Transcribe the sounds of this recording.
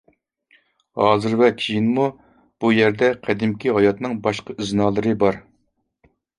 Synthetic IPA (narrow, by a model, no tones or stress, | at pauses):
hɑːzɨɾvɛkʲʰijinmu | b̥ujɛɾd̪ɛqʰæd̪ɪmkʲiɦɑjɑt̪nɨŋbɑʃqɑyznɑːlˠɨɾɨbɑɾ